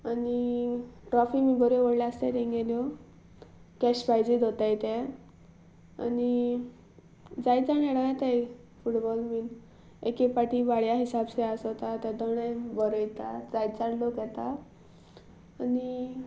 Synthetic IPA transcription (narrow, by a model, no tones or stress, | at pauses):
aniʈɾɔfimibəɾeʋəɽljaəst̪ɛɾeŋɡeljɔ | kɛɕbajd͡ʑid̪ʱot̪ajt̪ɛ | a̰ni | d͡zajt͡saneɽat̪aj | fuʈbɔlmiːn | ekepaʈiʋaɭjaɦisabseasɔt̪at̪ɛd̪ɔɽ̃ɛ̃bəɾəjt̪ad͡zajt͡saɳlokjɛt̪a | ni